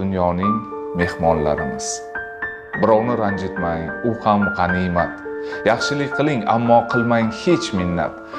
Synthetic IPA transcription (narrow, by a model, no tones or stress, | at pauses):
ʊnjɒnɪŋme̞hmɒnla̰ɾɪmɪz̥ | bɪɾɒwnɪɾand͡ʒɪt̪majʊhamʁɑnimat̪jɑχʃɪlɪkʲqʰɨlˠɪŋa̰mːɒqʰɨlˠmajhe̞t͡ʃmɪnːa̰t̪